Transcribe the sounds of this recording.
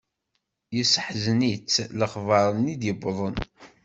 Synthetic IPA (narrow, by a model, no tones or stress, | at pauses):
jəsəħznit͡sːləχvɑɾˤənid̪jəbðˤən